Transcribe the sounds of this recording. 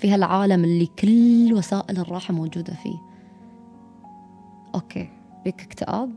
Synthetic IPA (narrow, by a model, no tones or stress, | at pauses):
fiːhalʕaːlamɪlːikʰɪllwasaːʔɪlrˤːɑːħmoːd͡ʒuːd̪afḭː | ʔoːkʰeː | biːkɪ̥kt̪ɪʔa̰ːb̚